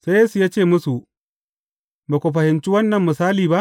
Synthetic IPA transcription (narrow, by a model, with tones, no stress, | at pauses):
se˦jeː˦su˨jaː˦t͡ʃeː˦˨mʊ˦su˨ʔ | ba˨kʷo˨ɸɐ˨hɪ˨nt͡ʃi˦wɐ˦nːɐ˨mːʊ˨saː˦liː˨ba˦ʔ